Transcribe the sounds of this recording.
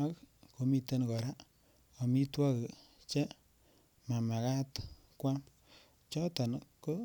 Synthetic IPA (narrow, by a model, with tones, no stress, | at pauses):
a˦kko˨mi˦te˦nkɔ˨ɾa˦ | o˨mi˦twa˦ke˨ | t͡ʃɛ˦ | ma˨ma˨ka˦t | kwa˦m | t͡ʃɔ˦ta˨nko˦